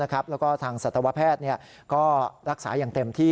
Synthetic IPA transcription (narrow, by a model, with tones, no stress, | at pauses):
a˦˥kʰa˦˥p̚lɛː˦˥wkɔː˥˩t̪ʰaː˧ŋsa˨˩t̪ʰːa˧wa˦˥pʰɛː˥˩t̪̚ni˥˩ɐ | kɔː˥˩ɾa˦˥k̚saː˩˦jaː˨˩ŋt̪e˧mt̪ʰiː˥˩